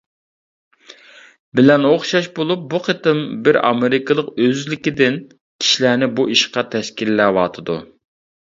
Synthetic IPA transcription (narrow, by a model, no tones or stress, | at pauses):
bɪlɛnoχʃɑʃbolˠup̚buqʰət̪ɨmbɪɾɑ̰meɾɪkʰɨlˠəqøzlɪkʲid̪ɪn | kʲʰi̥ʃilæːnɪbuiʃqɑt̪ʰɛʃkʲilːɛwɑːt̪ʰɨd̪u